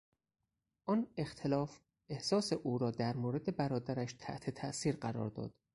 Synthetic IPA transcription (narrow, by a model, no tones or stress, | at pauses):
ʔɒːne̞xt̪ʰelɒːf | ʔe̞hsɒːse̞ʔuːɾɒːd̪æɾmoːɾe̞d̪e̞bæɾɒːd̪æɾæʃt̪ʰæ̰ʔt̪ʰet̪ʰæʔsiːɾɢæɾɒ̰ːɾd̪ɒ̰ːd̪̥